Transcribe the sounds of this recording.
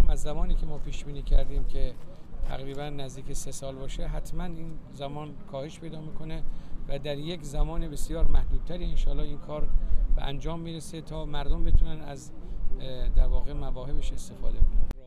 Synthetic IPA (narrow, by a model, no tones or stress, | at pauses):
mæzːæmɒːniːkcʰemɒːpʰiːʃbiːniːkʰæɾd̪iːmcʲʰet̪ʰæ̰ɣɾiːbænːæzd̪iːkcʰesesɒːlbɒːʃeɦæt̪ʰmæniːnzæmɒːnkʰɒːheʃpʰe̞jd̪ɒːmiːkʰo̞nevæd̪æɾjekzæmɒːnebe̞sijɒːɾmæhd̪̥uːb̥̚t̪ʰæɾiːenʃɒːlɒːinkʰɒːɾbḛʔæ̰nd͡ʒɒːmːiɾeset̪ʰɒːmæɾd̪ombe̞t̪ʰunænæz | d̪æɾvɒːɣe̞mævɒːhe̞beʃe̞st̪e̞fɒːd̪ekʰon